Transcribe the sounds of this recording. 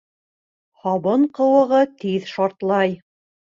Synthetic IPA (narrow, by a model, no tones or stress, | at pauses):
hɑβɤɴqɤ̆wɤ̆ʁɤt̪iðʃɑɾt̪lˠɑj